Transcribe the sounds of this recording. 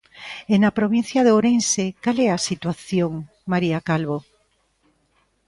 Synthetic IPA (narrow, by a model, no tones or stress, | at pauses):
enapɾoβinθjɐðoɾensekalɛasit̪waθjoŋ | maɾiakalβo